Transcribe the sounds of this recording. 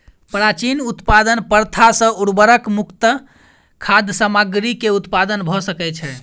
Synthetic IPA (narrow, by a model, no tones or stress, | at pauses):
pɾat͡ʃinut̪pad̪ənpəɾt̪ʰasə̃uɾbəɾəkmukt̪ə | kʰad̪ʱəsamaɡɾikeut̪pad̪ənbʱɔsəkɛt͡ʃʰɛ